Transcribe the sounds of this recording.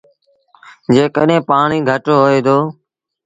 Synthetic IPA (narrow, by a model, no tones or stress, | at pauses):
d͡ʒeːkəɗẽːpaːɳiːɡʱəʈoːɦoːeːd̪oː